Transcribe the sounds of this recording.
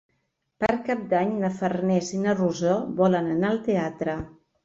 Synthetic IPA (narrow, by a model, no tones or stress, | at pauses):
pəɾkap̚d̪aɲnəfərnɛzinəruzoβɔlənənaəlˠt̪eat̪ɾə